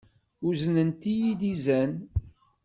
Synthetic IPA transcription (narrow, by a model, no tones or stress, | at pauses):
uznənt̪ijid̪izæn